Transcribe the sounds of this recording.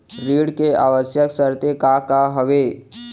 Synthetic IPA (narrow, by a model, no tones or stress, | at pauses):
ɾiːɽkeaːʋəsjəksəɾt̪ekakaɦəʋeː